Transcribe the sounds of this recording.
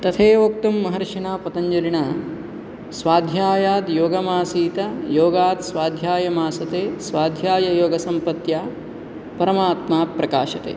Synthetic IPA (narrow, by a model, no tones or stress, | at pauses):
t̪ɐt̪ʰeːʋoːk̚t̪ɐmːɐɦɐɾʂinaːpɐt̪ɐɲd͡ʒɐliɳaː | sʋaːd̪ʱjaːjaːd̪joːɡɐmaːsiːt̪ɐjoːɡaːt̪sʋaːd̪ʱjaːjɐmaːsɐt̪eːsʋaːd̪ʱjaːjɐjoːɡɐsɐmpɐt̪jaː | pɐɾɐmaːt̪maːpɾɐkaːʃɐt̪ḛː